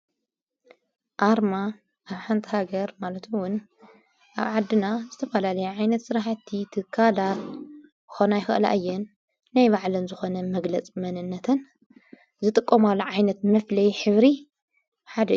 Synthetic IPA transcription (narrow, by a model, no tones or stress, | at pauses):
ʔaɾma | ʔaβħant̪ʰihaɡɐɾmalɐt̪ɨwʊn | ʔa̰βʕad̪ːɨnazɨt̪ʰɐfɐlalɐjuʕajnɐt̪sɨɾaħt̪ʰːit̪ʰɨkʰːalat̪ | xonajxɐ̰ʔla̰ʔɨjːɛnː | ajβaʕlɨnzɨxo̞nɐmɐɡlɐt͡sʼmɐnɨnːɐt̪ʰɐn | zɨt̪ʼɨkʼːɐmalːuʕajnɐt̪̚mɐflɐjħɨβɾi | ħad̪ɐ